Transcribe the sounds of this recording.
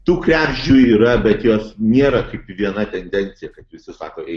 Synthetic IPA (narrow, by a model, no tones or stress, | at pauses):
t̪uːkɾʲæːbʲʒʲuːiːɾɐbʲɛt̪joːsnʲeːɾɐkɐɪpʋʲiɛnɐt̪ʲɛnʲd̪ʲɛnʲt̪sʲɪjɛkɐt̪ʋʲɪsʲɪsɑːkoːʔɛɪ